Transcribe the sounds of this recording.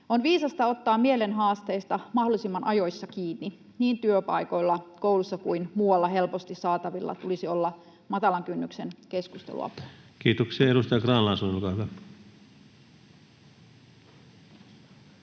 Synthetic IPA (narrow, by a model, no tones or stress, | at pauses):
onʋiːsɑst̪ɑo̞t̪ːɑːmmie̞le̞nɦɑːst̪e̞ːst̪ɑmɑɦhdolisimːɑnʔɑjo̞jsːɑkiːnːi | niːnt̪yøpɑ̰jko̞ilːɑko̞ulusːɑkuinmuːwɑlːɑɦe̞lpo̞st̪isɑːt̪ɑʋilːɑ̰t̪ulisio̞lːɑ | mɑt̪ɑlɑŋkynːykse̞nke̞skust̪ḛlṵɑ̰pu̥kiːt̪oksiɑeɾust̪ɑjɑkrɑːnlɑːsunolkɑʋɑ